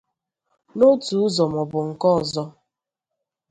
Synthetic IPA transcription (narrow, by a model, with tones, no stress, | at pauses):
no˦tu˨˦ʊ˦zɔ˨mɔ˨bʊ˨ŋ̩˨kɔ˦˨zɔ˦